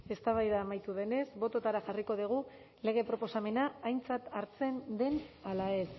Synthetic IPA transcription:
e̞st̪aβajðaːmajt̪uðe̞ne̞sbo̞t̪o̞t̪aɾaxariko̞ð̞iɣ̞u | le̞ɣ̞e̞pɾo̞po̞same̞naːjnt͡sat̪aɾt͡se̞nd̪e̞nalae̞s

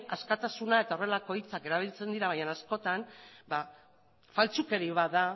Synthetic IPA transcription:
askat̪asunae̞t̪ao̞re̞lako̞it͡sake̞ɾaβ̞ilt͡se̞nd̪iɾaβaɲanasko̞t̪anba | falt͡suke̞ɾiβ̞aða

